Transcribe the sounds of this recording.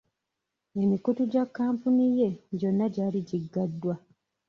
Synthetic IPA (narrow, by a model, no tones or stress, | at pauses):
e̞mikutuɟakːaːmpunije̞ɟo̞nːaɟaːliɟiɡːadːwa